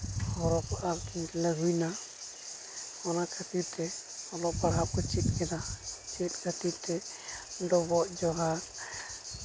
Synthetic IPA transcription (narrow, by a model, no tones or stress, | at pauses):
hɔɾɔkaɾkintɛlaɦujna | ɔnakʰət̪ibt̪ɛɔlɔk̚paɽɦap̚kɔt͡ʃit̪̚kɛd̪at͡ʃit̪̚kʰət̪ibt̪ɛ | ɖɔbɔʔd͡ʒɔɦaɾ